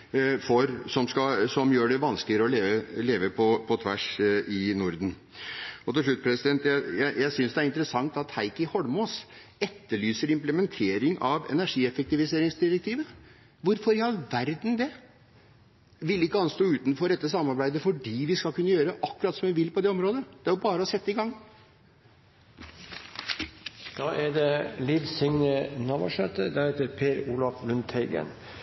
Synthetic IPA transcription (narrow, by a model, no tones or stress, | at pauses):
fɔɾsɔmskɑsɔmjøːɖɛʋɑnsklɪəɾəɔleːʋəleːʋəpʰɔpʰɔt̪ʰʋæ̰ʂɪnʊɾd̪n̩ | ɔt̪ɪlʂɭʉt̪̚ːpʰɾɛsɪd̪ɛnt̪jæɪjæɪjæɪsʏnsd̪ɛæɾɪnt̪əɾəsɑŋt̪ɑt̪hæɪkɪhɔɽmos | ɛt̪ːəɭyːsəɾɪmpləmɛnt̪ʰeːɾɪŋʔɑʋɛ̰næʂiːɛfɛk̚t̪ɪʋɪseːɾɪŋsd̪ɪɾɛkt̪ʰiːʋə | ʋʊɾfɔɾɪhɑlʋæɾd̪n̩d̪ɛ | ʋɪlɪkːəɑnst̪oːʉːt̪nfɔɾɛt̪ːəsɑmːɑɾbæɪd̪əfɔɖiːʋɪskɑlkʰʉnːəjøːɾəʔɑkːʉɾɑt̪sɔmʋɪʋɪlːpɔd̪ɛɔmɾoːd̪əd̪̥ɛæɾjʊbɑːɾəɔsɛt̪ːəɪɡɑŋː | d̪̥ɑːʔæd̪ɛliːʋsɪŋnənɑːʋɔ̰ʂœt̪ːəd̪æɾɛt̪əɾpʰeːɾuːlɑflʉnt̪hɛɪɡə̰n